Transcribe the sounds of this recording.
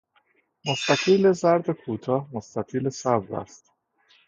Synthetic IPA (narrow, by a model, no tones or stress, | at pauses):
most̪æk̪ʰiːlezæɾd̪ekʰuːt̪ʰɒːhmost̪æt̪ʰiːlesæb̪ɾæ̰st̪